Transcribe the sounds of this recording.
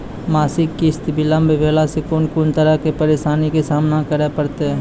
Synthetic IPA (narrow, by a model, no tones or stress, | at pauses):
maːsɪkːɪst̪bʱilə̃mbʱbʱeːlasekonkont̪əɾəkepəɾeːʃaːnikesaːmnãkəɾepɐɾt̪eɦɛ